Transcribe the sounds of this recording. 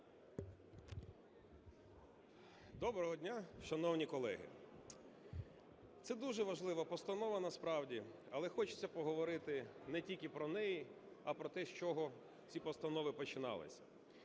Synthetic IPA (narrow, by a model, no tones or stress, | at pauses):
d̪ɔbɾɔɦɔdʲnʲaʃɐnɔwnʲikɔlˠɛ̰ɦɪ̰ | t̪sɛd̪uʒɛʋɐʒlˠɪʋɐpɔst̪ɐnɔʋɐnɐspɾɑwdʲi | ɐlˠɛxɔt͡ʃɪ̥t͡sʲːɐpɔɦɔʋɔɾɪt̪ɪnɛtʲilʲkʲɪpɾɔnɛji | ɐpɾɔt̪ɛʃt͡ʃɔɦɔ | t͡sʲipɔst̪ɐnɔʋɪpɔt͡ʃɪnɑ̰lˠɪ̰sʲɐ̥̰